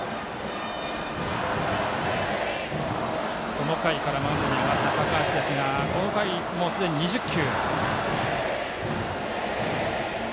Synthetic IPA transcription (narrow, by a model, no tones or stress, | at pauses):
ko̞no̞kaikaɾamãnd̪oɲ̟iamat̪ːakakaɕid̪e̞sɨŋako̞no̞kai | mo̞sɨd̪e̞ɲ̟iɲiʑɨkʲːɯː